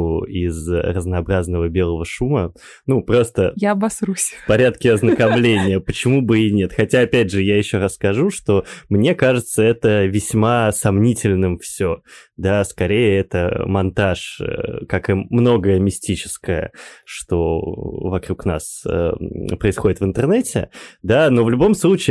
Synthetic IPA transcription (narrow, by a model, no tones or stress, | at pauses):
ʊɪzrəznɐːbɾaznəvəbʲe̞lˠəvəʂumə | nupɾo̞st̪əjaɐbɐsɾusʲfpɐɾʲat̪kʲɪɐznəkɐmlʲenʲɪjəpət͡ɕɪmubɨɪnʲe̞t̪xɐtʲaɐpʲædʲʐɨjajɪɕːo̞ɾasskɐʐuʂt̪o̞mnʲe̞kaʐɨt̪səɛt̪əvʲɪsʲmasɐmnʲitʲɪlʲnɨmfsʲod̪askɐɾʲejɪɛt̪ə̰mɐnt̪aʂə̰kakɨmno̞ɡəjəmʲɪsʲtʲit͡ɕɪ̥skəjə̰ʂt̪o̞vɐkɾukna̰sə̰pɾəɪsxo̞dʲɪt̪vɨnt̪ɨrnɛtʲɪ̰d̪anovlʲʊbo̞mslˠut͡ɕɪː